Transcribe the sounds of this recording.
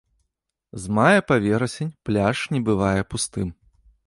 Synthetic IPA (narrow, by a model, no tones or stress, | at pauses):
zmajɐpavʲɛɾɐsʲenʲplʲaʂnʲɛbɨvajɛpust̪ɨm